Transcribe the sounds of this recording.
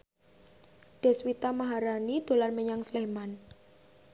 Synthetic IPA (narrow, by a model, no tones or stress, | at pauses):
ɖ̥ɛ̤swit̪amaɦaɾanid̪̥o̤lanməɲaŋsleman